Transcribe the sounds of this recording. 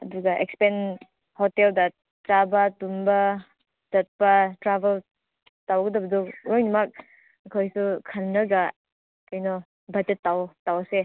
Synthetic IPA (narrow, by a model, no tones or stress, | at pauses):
ɐduɡɐʔekspen | hɔteldɐ | tɾabɐtumbɐ | d͡ʒɐt̚pɐtɾabel | tawɡɐdɐbɐdɔojnumak̚ | ɐkʰojsukʰɐnːɐɡa | kajnɔ | bɐtetːawtawɐse